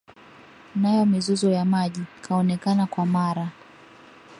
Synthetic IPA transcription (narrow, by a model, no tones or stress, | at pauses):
najɔmizuzɔjamaʄikʰaɔnɛkanakwamaɾa